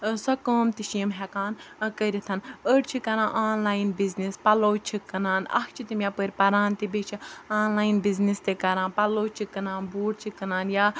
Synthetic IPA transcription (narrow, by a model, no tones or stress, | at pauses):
sɐkoːmt̪iʃiːmɦɛkaːnkəɾit̪ʰɐnəʈt͡ʃʰikɐɾãːʔːnlaːjnbiznispɐloːt͡ʃʰikːɐnaːnɐ̰kʰt͡ʃʰit̪imʲjapəɾʲpɐɾaːnt̪ibet͡ʃʰiaːnlaːjinbiznist̪ekɐɾãːnpɐloːt͡ʃʰikːɐnaːnbuːɽ̚t͡ʃʰikːɐnaːnjaː